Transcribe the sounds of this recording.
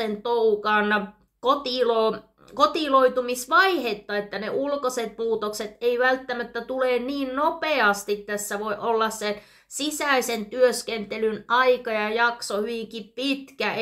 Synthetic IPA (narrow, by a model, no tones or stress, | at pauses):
ent̪oukɑn | kot̪ilo | kot̪iloit̪umisʋɑihet̪ːɑet̪ːæneʔulkoset̪̚puːt̪okset̪eiʋælt̪ːæmæt̪ːæt̪uleːnniːnnopeɑst̪it̪tæsːæʋoiʔolːɑsse | sisæisent̪yøskent̪elynɑikɑjɑjɑksohyʋiŋkippit̪kæ